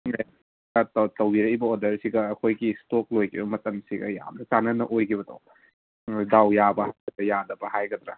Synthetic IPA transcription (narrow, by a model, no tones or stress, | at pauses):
tɐtɐwiɾɐjbɐodɐɾsiɡɐːkʰojɡistok̚lojkʰibɐmɐtɐmsiɡɐ̰ja̰mnɐkanɐnɐ̰ʔojkʰiβɐdɐ̰w | dawjabɐhajɡɐdɐjadɐbɐhajɡɐd̪ɾa